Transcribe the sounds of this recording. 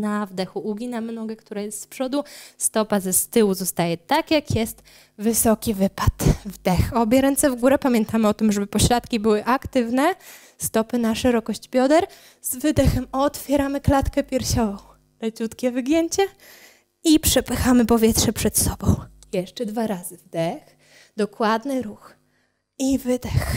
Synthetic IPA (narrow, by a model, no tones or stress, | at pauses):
navd̪ɛxuʔuɡʲinamnɔɡɛkt̪uɾajɛst̪spʂɔd̪ust̪ɔpazɛst̪ɘwuzɔst̪ajɛt̪akjakjɛst̪ | vɘsɔkʲivɘpat̪vd̪ɛxɔbʲjɛɾɛnt̪sɛvɡuɾɛpamʲjɛnt̪amɘɔt̪ɘmʐɛbɘpɔɕɾat̪kʲibɘwɘʔakt̪ɘvnɛ | st̪ɔpɘnaʂɛɾɔkɔɕd͡ʑbʲjɔd̪ɛɾ | z̥vɘd̪ɛxɛmɔt̪fʲjɛɾamɘklat̪kɛpʲjɛɾɕɔvɔ̃w̃ | lɛt͡ɕut̪kʲɛvɘɡʲjɛɲt͡ɕɛ | ipʂɛpɘxamɘpɔvʲjɛt̪ʂɛpʂɛt̪sɔbɔ̃w̃ | jɛʂt͡ʂɛd̪vaɾazɘvd̪ɛx | d̪ɔkwad̪nɘɾux | ivɘd̪ɛx